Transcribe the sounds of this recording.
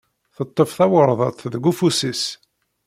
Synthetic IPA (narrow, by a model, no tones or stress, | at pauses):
θət̪ˤːəfθæwəɾˤðˤət̪ˤðəɡufusis